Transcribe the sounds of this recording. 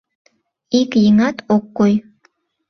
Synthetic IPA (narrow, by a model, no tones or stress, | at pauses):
ikjiŋɑt̪ʰokːoj